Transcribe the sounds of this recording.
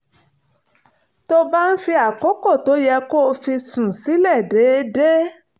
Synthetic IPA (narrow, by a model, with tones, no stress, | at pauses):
to˧ba˦n̩˦fi˧a˨kɔ˨˦kɔ˦˨to˨˦jɛ˧ko˦˧fi˧sũ˨si˨˦lɛ˦˨de˨˦de˦